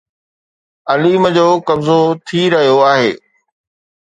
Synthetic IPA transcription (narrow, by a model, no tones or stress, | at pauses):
ɐliːməd͡ʑoːkɐbzot̪ʰiɾɐɦijoaːɦeː